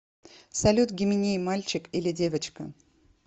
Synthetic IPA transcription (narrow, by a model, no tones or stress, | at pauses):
sɐlʲut̪ɡʲɪmʲɪnʲejmalʲt͡ɕɪkilʲɪdʲe̞vət͡ɕkə